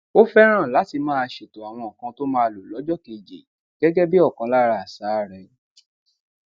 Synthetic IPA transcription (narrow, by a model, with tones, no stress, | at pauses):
o˦fɛ˦ɾ̃ã˦˨la˨˦ti˧mãː˦a˧ʃe˨to˨a˨w̃ɔ̃˧˨ɔ˨kã˧to˦mãː˦˧˨lo˨lɔ˨˦d͡ʒɔ˦ke˨d͡ʒḛ˨ | ɡ̥ɛ˦ɡɛ˦bi˦ɔ˦˨kã˧˦la˦ɾa˧a˨sa˨˦˨ɾɛ˧